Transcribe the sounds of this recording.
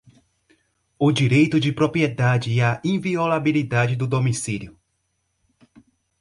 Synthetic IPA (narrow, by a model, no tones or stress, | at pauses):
ʊd͡ʒiɾejt̪ʊd͡ʒɪpɾopɾiɛd̪ad͡ʒɪɐĩviolabilid̪ad͡ʒɪd̪ʊd̪omisiljʊ